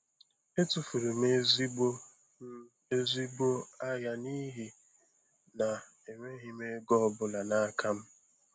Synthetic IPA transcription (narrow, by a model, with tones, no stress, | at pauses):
e˦tʊ˨fu˨ɾʊ˨me˦zi˦ɡ͡bo˦ | e˦zi˦bo˦a˦ja˨ni˦ɦi˦ | na˨ | e˨ŋʷe˦ɦi˨me˦ɡɔ˦bʊ˨la˨na˦kʰa˦m̩˦